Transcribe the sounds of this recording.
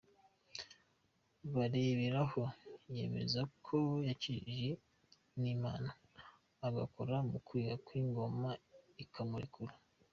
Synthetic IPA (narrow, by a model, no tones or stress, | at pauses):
βaɾeβiɾaho̞je̞̰ːme̞̰zakʰojaciʒe | nima̰naː | ɡakoɾamukwiːhakwiːŋɡo̞maikʰamuɾḭkʰuɾa